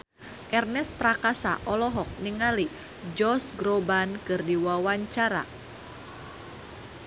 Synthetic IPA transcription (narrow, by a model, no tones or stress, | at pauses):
ʔɛrnɛspɾakasa̰ʔɔlɔɦɔk̚niŋali | d͡ʒɔsɡɾobankɨrdiwawaɲt͡ʃaɾa̰